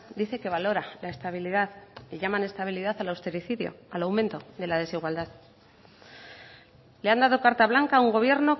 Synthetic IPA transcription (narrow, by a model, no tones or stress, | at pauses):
d̪iθe̞ke̞β̞alo̞ɾalaest̪aβiliðaðiʝamane̞st̪aβ̞iliðaθalawst̪e̞ɾiθiðjo̞̰alawmẽ̞nt̪o̞ðe̞laðe̞siɣwald̪að | le̞and̪að̞o̞kaɾt̪aβlaŋkauŋɡo̞β̞je̞ɾno̞